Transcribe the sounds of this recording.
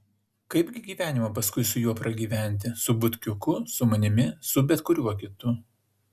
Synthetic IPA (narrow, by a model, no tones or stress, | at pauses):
kɐɪbʲɡʲɪɡʲiːʋʲæːnʲɪmɐpɐskʊɪsʊjuɔpɾɐɡʲiːʋʲæˑnʲˑt̪ʲɪsʊbʊt̪ʲkʲʊkʊsʊmɐnʲɪmʲɪsʊbʲɛt̪kʊɾʲuɔkʲɪt̪ʊ